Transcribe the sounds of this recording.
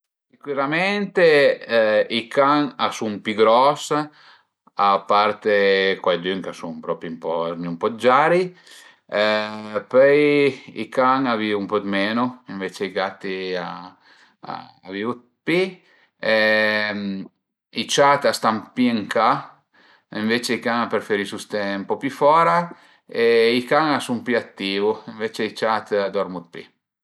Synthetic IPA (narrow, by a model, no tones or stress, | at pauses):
sikwiɾamɛnt̪e | ikaŋasumpiɡɾɔs | apːaɾt̪ekwajd̪yŋkasuŋpɾɔːpiumpɔɾmiumpɔd͡ʒaːɾi | pøjḭkaŋavivumpɔt̪meːnuiɱvet͡ʃeiɡat̪ːia | a̰ | a̰viːvut̪̚ | pi | ɛ | it͡ʃat̪ast̪ampieŋka | iɱvet͡ʃeikaŋapeɾfeɾisust̪ɛmpɔpyfɔːɾa | eikaŋasumpyat̪ːiːvuiɱvet͡ʃeit͡ʃat̪ad̪ɔɾmut̪̚pḭ